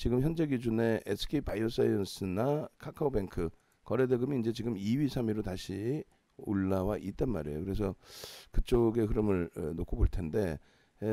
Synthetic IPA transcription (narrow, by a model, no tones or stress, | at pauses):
t͡ɕiɡɯmçjʌnd͡ʑeɡid͡ʑune̞ʔesʰɯ̥kʰepajos͈ʰajʌns͈ʰɯnakʰakʰaobe̞ŋkʰɯ | kʌɾedeɡɯmiːnd͡ʑe̞t͡ɕiɡɯmiɥisʰamiɾotaɕʰi | oɭːawaʔit̚t͈anma̰ɾḛjo̰kɯɾe̞s̬ʰʌkɯt͡ɕ͈oɡe̞kɯɾʌmɯɭenokʰoboɭtʰe̞nde̞